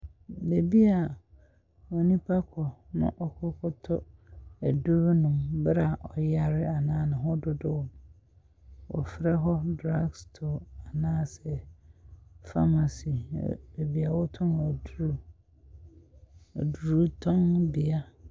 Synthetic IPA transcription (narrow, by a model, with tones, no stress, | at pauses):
be˨bi˦a˨ | o˨nĩ˦pʰa˦kʰɔ˨nʊ̰̃˦ʔɔ˦kʰʊ˦kʰʊ˦tʰɔ˦æ˨du˦ɾnʊ̃˨mbɾa˨ʔɔ˨ja˨ɾɪ˦a˨nãː˦nʊ̃˨ɦɔ˦dʊ˦dʊ˦wɔ˨m | wɔ̰˨fɪ˨ɾɛ˦ɦɔ˦dɾa˦ɡstʰo˨a˨nãː˦sɛ˨ | fa˦ma˨sḭ˨be˨bi˦a˨wɔ˦tʰʊ̃˦na˨du˦ɾu˦˨ | du˨ɾu˦tʰɔ̃˦ŋbi˨a˦